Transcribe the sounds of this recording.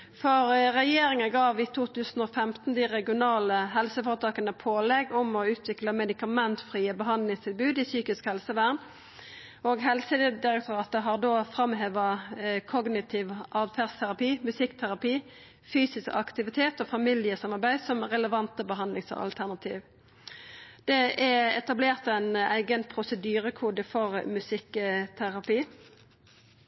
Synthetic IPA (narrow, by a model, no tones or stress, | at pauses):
fɔʁʁɛjeːɾɪŋəɡɑːʋit̪ʰuːt̪ʰʉːsn̩oːfɛmt̪n̩d̪ɪʁɛɡɪʊnɑːləɦɛlsəfoːɾət̪ʰɑːkənəpʰoːlɛɡʊmɔʉːt̪ʰʋɪkləmɛd̪ɪkɑmɛnt̪fʁiːəbəɦɑnd̪lɪŋst̪ʰɪlbʉːd̪ɪsyːkɪskhɛlsəʋæːʁn | oːɡɦɛlsəd̪ɪɾɛk̚t̪ʊʁɑːt̪əɦɑʁd̪oːfɾɑmɦeːʋɑkʰɔɡnɪt̪ʰiːʋʔɑːʋfʰæʁst̪ʰæʁɑpiːmʉsɪkt̪ʰæʁɑpiː | fyːsɪskɑ̰kt̪ɪʋɪt̪ʰeːt̪oːfɑmɪlɪəsɑmɑʁbæɪsɔmʁɛləʋɑnt̪əbəɦɑnd̪lɪŋsɔ̰ɑ̰lt̪ʰæʁnɑt̪ʰiːʋ | d̪̥ɛæɛt̪ɑbleːʁt̪æɪnæɪɡənpʰʁʊsəd̪yːɾəkʰuːd̪əfɔʁmʉsɪkt̪ʰæʁɑpiː